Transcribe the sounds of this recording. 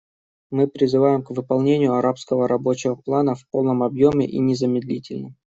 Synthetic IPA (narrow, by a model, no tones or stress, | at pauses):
mɨpɾʲɪzɨvajɪmkvɨpɐlˠnʲenʲɪjʊɐɾapskəvəɾɐbo̞t͡ɕɪvəplˠanəfpo̞lˠnəmɐbjo̞mʲɪ̰ʔḭnʲɪzəmʲɪd̪lʲitʲɪlʲnəm